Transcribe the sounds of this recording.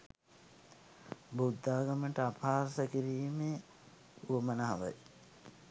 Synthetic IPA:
bud̪ːaːɡəməʈəapʰaːɾsəkiɾiːme | uʋəmənaɦaʋa̰j

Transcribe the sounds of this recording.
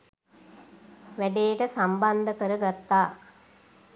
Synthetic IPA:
ʋæɖeːʈəsamband̪əkəɾəɡat̪ːaː

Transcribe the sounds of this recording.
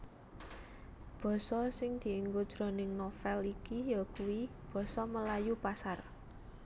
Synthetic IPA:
b̥ɔ̤sɔsɪŋd̪̥i̤iŋɡod̥ʒ̥ɾo̤nɪŋnofɛlikijɔkuwib̥ɔ̤sɔməlajupasar

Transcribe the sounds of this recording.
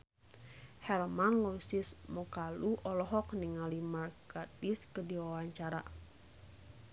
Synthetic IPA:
hɛlmanlɔsismɔkaluʔɔlɔɦɔk̚niŋalimarkatiskədiwawaɲt͡ʃaɾa̰

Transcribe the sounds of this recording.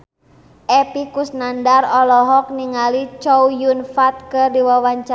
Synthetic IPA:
ʔɛpikusnandarɔlɔɦɔk̚niŋalit͡ʃɔwjunfat̪̚kɨrdiwawaɲt͡ʃa

